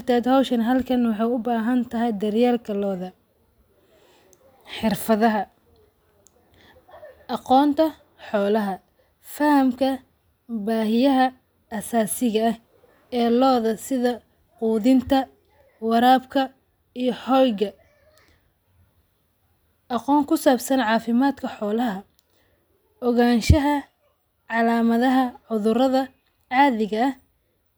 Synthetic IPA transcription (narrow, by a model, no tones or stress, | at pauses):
rt̪ʰɛːd̪hɔwʃɐnɦɐlkʰɐnwɑħɑjʊbaːɦɐnt̪ʰɐɦɛjd̪ɐrjaːlkʰɐlɔːðɐ | ħɪrfɐðɐɦɐ | ʔɑqɔːnt̪ʰɐ | ħɔːlɐɦɐ | fɐhɐmkʰɐ | baːhɪjɐɦɐː | saːsɪɣɐh | ɛːlɔːðɐsɪðɐ | quːðɪnt̪ʰɐ | wɑɾaːbkʰɐ | ijɞħɔjɣɐ | ʔɑqɔːŋkʰʊsaːbsɐnʕɑːfɪmaːd̪kʰɐħɔːlɐɦɐ | ʔɔɣaːnʃɐɦɐ | ʕɑlaːmɐðɐɦɐʕʊðʊɾɐðɐ | ʕaːðɪɣɐɐh